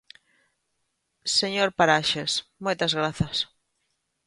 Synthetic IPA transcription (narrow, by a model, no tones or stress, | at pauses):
seɲoɾpaɾaʃesmojt̪ɐzɣɾaθɐs